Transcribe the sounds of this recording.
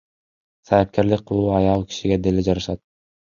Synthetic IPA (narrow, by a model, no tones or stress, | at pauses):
sɑjip̚kʲeɾlɪk̚qʰːɯlˠuɑjɑlˠkʰʲi̥ʃiɡʲed̪elid͡ʒɑɾɯʃɑt̪̚